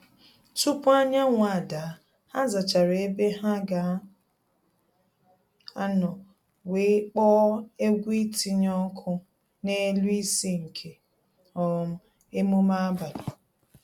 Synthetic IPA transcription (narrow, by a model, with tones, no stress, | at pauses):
tu˦pʊ˦a˦ɲa˦ŋʷa˨da˨˦ | a˦za˨t͡ʃa˨ɾe˦be˦ɦa˦ɡa˨˦ | a˦nɔ˨ | we˨˦k͡pɔ˦e˦ɡʷi˦ti˦ɲɔ˦kʰʊ˦ | ne˦lu˦i˦si˦ŋ̩˨kʰe˨ | ɔ˨ɾm̩˦ | e˦mu˦ma˦a˦ba˨la˨